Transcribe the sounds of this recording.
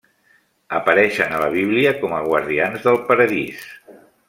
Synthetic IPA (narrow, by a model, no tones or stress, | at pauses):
əpəɾɛʃənələβ̞iβliəkɔməɣwəɾðianzðəlˠpəɾəðis